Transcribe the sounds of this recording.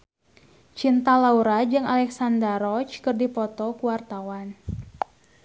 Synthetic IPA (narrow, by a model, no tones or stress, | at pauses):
t͡ʃint̪alauɾad͡ʒɨŋalɛksandaɾɔt͡ʃkɨrdipɔt̪ɔkuwart̪awan